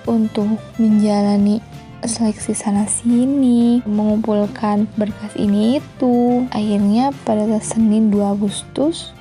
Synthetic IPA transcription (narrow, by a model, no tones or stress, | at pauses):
unt̪ʊk̚ | məɲd͡ʒalani | slɛksisanasiniməŋumpulkʰanbərkasḭniːt̪uahirɲapadatasənɪnduaːɡust̪ʊs